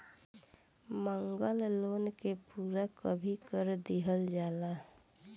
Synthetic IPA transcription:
məŋɡəlloːnkepuːɾakəbʱikəɾd̪iɦəld͡ʒaːla

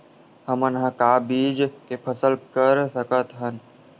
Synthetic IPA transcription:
həmənɦə̃kaːbiːd͡ʒkepʰəsəlkəɾsəkət̪ɦən

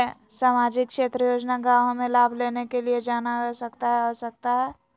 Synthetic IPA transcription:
saːmaːd͡ʒɪkkʃeːt̪ɾəjoːd͡ʒnaɡawɦəmẽlaːbʱleːnekelied͡ʒaːnasəkt̪aɦɛɦɔsək̚t̪aɦɛː

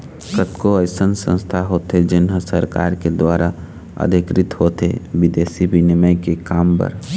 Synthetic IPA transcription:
kət̪koəɪsənsə̰̃nst̪ʰaɦoːt̪ed͡ʒɪnɦəsəɾka̰ːɾked̪waːɾa | ə̰d̪ɪkɾɪt̪ɦoːt̪ebɪd̪eːsibʱinɪməɪkekaːmpə̰ɾ

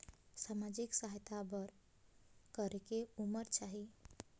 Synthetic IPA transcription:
samad͡ʒiksaɦt̪abəɾ | kəɾekeuməɾt͡ʃaɦi

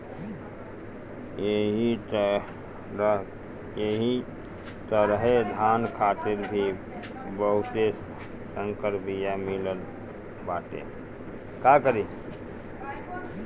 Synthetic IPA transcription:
eɦi | ɾ | eɦi | t̪əɾəɦed̪ʱankʰaːt̪iɾbʱi | bəɦut̪es | səŋkəɾpijamiləl | bat̪ḛ | kakəɾi

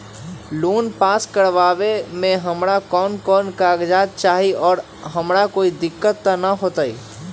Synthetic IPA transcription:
luːnpaːskəɾʋabemẽɦəmɾakɔːnkɔːnkaːɡd͡ʒaːd̪̚t͡ʃaːɦiɔːɾ | ɦəmɾakoːid̪ɪkːət̪ːanəɦoːt̪ai

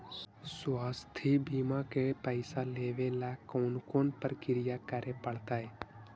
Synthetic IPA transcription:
swaːst̪ʰibimakepəɪsaleːʋelakoːnkoːnpəɾkɪɾɪjakəɾepəɽt̪aɦɛː

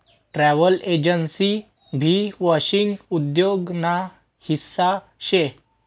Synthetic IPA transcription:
ʈɾɛʋəled͡ʑənsi | bʱiʋɔɕiŋɡud̪joɡna | hisːa | ɕe

